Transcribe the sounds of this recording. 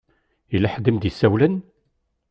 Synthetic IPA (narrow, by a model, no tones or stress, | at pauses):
ilːæħd̪əmd̪isːæwlən